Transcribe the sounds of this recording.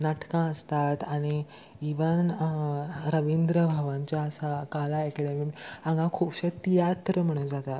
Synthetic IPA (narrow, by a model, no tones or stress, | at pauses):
naʈkãəst̪at̪aɽ̃i | iʋən | ɾəʋind̪ɾəbʱaʋãɲt͡ɕjaəsakalaɛkɛɽemiãŋɡãkʰupɕət̪ijat̪ɾəm̤əɽ̃əd͡zat̪at̪